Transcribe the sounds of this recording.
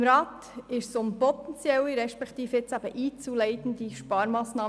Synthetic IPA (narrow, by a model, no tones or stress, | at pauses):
mɾɑːt̪ɪʃsʊmpɔt̪ɛnt͡sjɛliɾɛʃpɛkt̪iːfjɛt͡sɑːbəʔiːt͡sulɛɪt̪ən̩d̥iːʃpɑːɾmɑːsnɑː